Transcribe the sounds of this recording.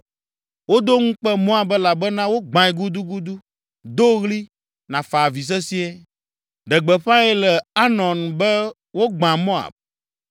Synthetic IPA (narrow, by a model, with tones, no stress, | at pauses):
wo˦d̪o˦ŋũ˦k͡pɛ˦mɔ̃˦a˨bɛ˦la˨bɛ˦nã˦wo˦ɡ͡bã˨ɛ˨ɡu˦d̪u˦ɡu˦d̪u˦ | d̪o˦ɣli˦ | nã˨fa˨vi˨s̬ɛ˦si˦e˦ | ɖɛ˨ɡ͡bɛ˨ɸã˦ɛ˦lɛ˨a˦nɔ̃˨nbɛ˦ | wo˦ɡ͡bã˨mɔ̃˦a̰˨b̚